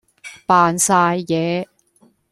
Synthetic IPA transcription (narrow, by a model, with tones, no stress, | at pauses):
paː˨˧nsaː˧jːɛː˨˧